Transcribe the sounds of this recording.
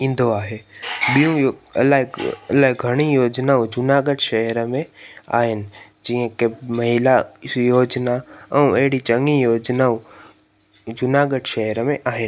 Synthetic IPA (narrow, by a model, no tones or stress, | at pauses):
ĩːnd̪ʱoaːɦeɓijũjɐ̰laɦlaːɦiɡʱɐɽ̃ijoːd͡ʒnaːũd͡ʒʊnaːɡəɖʃɐɦəɾəmẽa̰ːɦɪnɪ̆ | d͡ʒiːə̃kemɐɦɪlajoːd͡ʒnaɛ̃ũɐɦɪɽit͡ʃɐ̃ŋɡijoːd͡ʒnaːũ | d͡ʒʊnaːɡəɖʃɐɦəɾəmẽʔaːɦɪnɪ